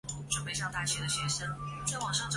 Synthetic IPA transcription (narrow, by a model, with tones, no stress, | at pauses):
ʈ͡ʂə˨˩p̬e˥˧ɪɕjɑ˥˧ŋt̪a˥˩t͡ɕʰɥɛ˧˥d̪ə˨˩ɕjɛ˧˥ʂə˥˩ŋt͡swɑ˨˩ŋʂɑ˥˧ŋʈ͡ʂ